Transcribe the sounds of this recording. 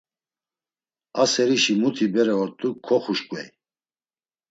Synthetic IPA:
asɛɾiʃimut̪ʰibɛɾɛɔɾt̪ʼukʰːɔχuʃkʼwɛj

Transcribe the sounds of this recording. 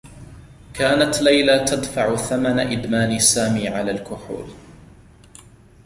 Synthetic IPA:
kʰaːnat̪lajlat̪ad̪faʕʊθamanaʔɪd̪maːnisaːmiːʕalaːlkʊħṵːl

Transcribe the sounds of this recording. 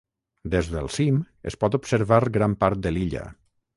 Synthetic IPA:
d̪ezðəlˠsim | ə̰spɔt̪upsəɾβaɾɡɾampaɾt̪̚d̪əliʎə̰

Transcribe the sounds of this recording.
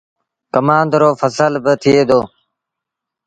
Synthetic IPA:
kəmãːnd̪ɾoːfʰəsəlbɪt̪ʰɪeːd̪oː

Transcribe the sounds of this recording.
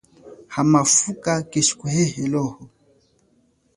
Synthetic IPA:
hamafukakeʃkuhɛhɛlɔhɔ

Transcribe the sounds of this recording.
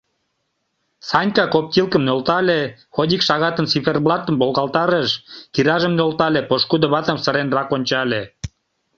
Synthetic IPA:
sɑnʲkɑkop̚t̪ʲilkə̆mnolt̪ɑlʲexod̪ʲikʃɑɣɑt̪ənsiferblˠɑt̪ə̆mbolˠɣɑlt̪ɑɾəʃkiɾɑʒə̆mnolt̪ɑlʲepoʃkud̪oβɑt̪ə̆msə̆ɾenrɑkonʲt͡ɕɑlʲe

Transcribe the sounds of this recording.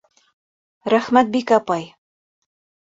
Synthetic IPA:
ɾæχmæt̪̚bikɑpɑj

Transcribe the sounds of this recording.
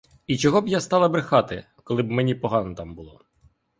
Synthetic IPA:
it͡ʃɔɦɔbjast̪ɑlˠɐbɾɪxɑt̪ɪ̰ | kɔlˠɪbmenʲipɔɦɑnɔt̪ɑmbʊlˠɔ

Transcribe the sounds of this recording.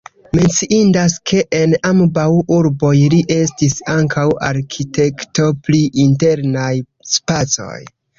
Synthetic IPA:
me̞nt͡siʔindaskʰe̞ʔenambawuɾbo̞jliʔe̞stisaŋkawa̰ɾkʰite̞kto̞pliʔinte̞ɾnaj | spat͡so̞̰j

